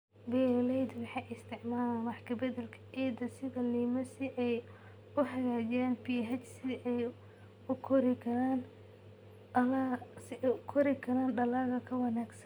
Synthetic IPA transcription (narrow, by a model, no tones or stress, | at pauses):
bɛlɛjd̪wɑħɑʔɪst̪ʰɪʕmaːlanwɑħkʰɐbɐðɐlkʰɐ̥ʔɛːd̪ɐsɪðɐliːmɐsɪʔɛj | ʊɦɐɣaːd͡ʒɪjaːnpiːɦɐt͡ʃsɪʔɛj | ʊkʰɔɾɪkʰɐɾaːn | ɐlasɪʔɛʊkʰɔɾɪkʰɐɾaːnɖɐlaːɣɐkʰɐwɑnaːɡsɐn